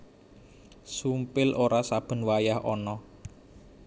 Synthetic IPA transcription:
sumpɪlʔoɾasab̥ə̤nwajahɔnɔ

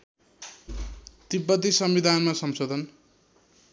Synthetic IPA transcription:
t̪ipːʌt̪ːisʌmbid̪ʱanmasʌmsod̪ʱʌn

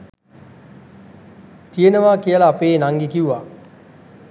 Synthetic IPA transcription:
t̪ijənəʋaːkijəlaːpeːnaŋɡikiuʋa

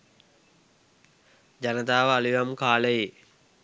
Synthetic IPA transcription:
d͡ʒanət̪aːʋəaliʋamkaːləje

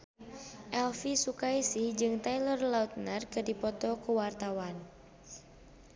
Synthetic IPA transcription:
ʔɛlfisukajsihd͡ʒɨŋt̪ajlɔrlaut̪̚narkɨrdipɔt̪ɔkəwart̪awan

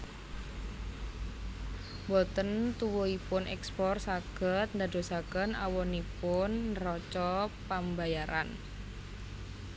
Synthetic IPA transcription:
bɔt̪ənt̪uwuipʊnʔɛ̰kspɔrsaɡ̥ə̤t̪̚nd̪a̤do̤sakənawɔnipʊnrɔt͡ʃɔpambajaɾa̰n

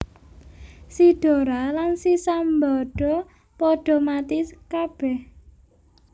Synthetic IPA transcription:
siɖ̥o̤ɾalansisambɔɖ̥ɔ̤ | pɔɖ̥ɔ̤mat̪iskab̥ɛh

